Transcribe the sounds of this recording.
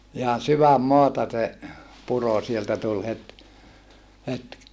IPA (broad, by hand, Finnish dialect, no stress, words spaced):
ihɑn syʋæmːoɑtɑ se puro sieltæ tul het het